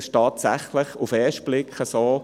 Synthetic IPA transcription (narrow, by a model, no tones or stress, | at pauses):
stɑːtsæχlɪχufɛːʃt̚b̥lɪkʰχəsoː